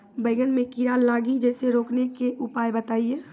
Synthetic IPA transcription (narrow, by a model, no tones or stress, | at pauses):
bəɪɡənmẽkiɾaːlːaːɡid͡ʒɛːseɾoːknekeʔʊpaːjbət̪aːijeː